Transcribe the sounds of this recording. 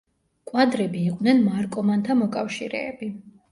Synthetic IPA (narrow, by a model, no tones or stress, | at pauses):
kʼwad̪ɾɛbiːqʼvnɛnmaɾkʼɔmant̪ʰamɔkʼafʃiɾɛ̰ːbi